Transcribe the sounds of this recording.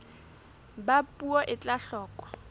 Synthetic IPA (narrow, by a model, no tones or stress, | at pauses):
bapʼuɔʔɪt͡ɬʼaɬɔːkɔ̥